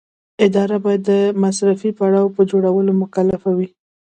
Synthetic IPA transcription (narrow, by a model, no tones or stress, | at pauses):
ɪd̪ɑɾabɑjad̪ːəmasɾafipaɽɑwpəd͡ʒoɽawəlomʊkalafawi